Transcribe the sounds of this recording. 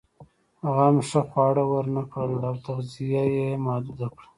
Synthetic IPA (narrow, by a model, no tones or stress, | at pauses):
aɣamʂaxwɑɽawəɾnakɽəlawt̪aɣzijajemɑːd̪ud̪akɽa